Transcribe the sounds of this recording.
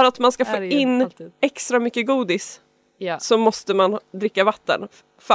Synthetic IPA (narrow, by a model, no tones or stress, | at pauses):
ɾat̪manskafoːɪnːɛkst̪ɾamʏkːəɡuːd̪ɪs | sɔmɔst̪əmand̪ɾɪkːavat̪ːə̰n | f